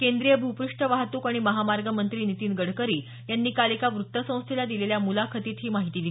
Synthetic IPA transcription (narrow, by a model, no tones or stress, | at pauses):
kend̪ɾijəbʱupɾuʂʈəʋaɦt̪uːkaɽ̃iməɦamaɾɡəmənt̪ɾiːnit̪iːnɡəɽkəɾiː | janːiːkalikaʋɾut̪ːəsə̃w̃st̪ʰilad̪ileljamulakʰət̪iːt̪ɦiːmaɦit̪iːd̪i